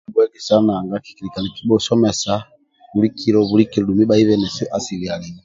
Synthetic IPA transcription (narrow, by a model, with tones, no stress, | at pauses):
bwɛ˦ɡi˨sa˦na˨ŋɡa˦ki̥˨ki˨ɾi˨ka˨ni˨ki˦bɔ˦sɔ˦mɛ˨sa˦ | βu˨ɾi˦ki˨ɾɔ˨βu˨ɾi˦ki˨ɾɔ˨du˨mi˦ba˦i˦βɛ˨nɛ˨si˦ʔa˨si˨ɾi˨a˨li˨ni˦